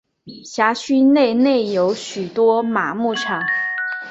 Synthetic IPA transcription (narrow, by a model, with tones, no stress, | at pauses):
ɕja˧˥ɕy˥ne˥˩˧ɪne˥˩ɪjo˧˥ʊɕy˨˩t̪wɔ˥ma˨˩˦mu˥˩ʈ͡ʂʰɑ˨˩˦ŋ